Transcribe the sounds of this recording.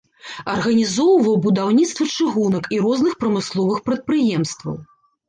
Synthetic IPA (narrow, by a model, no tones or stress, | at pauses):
ɐrɣɐnʲizɔwvɐwbud̪awnʲit̪st̪vɐt͡ʂɨɣunɐkiɾɔznɨxpɾɐmɨslˠɔvɨxpɾɐt̪̚pɾɨjɛmst̪vɐ̰w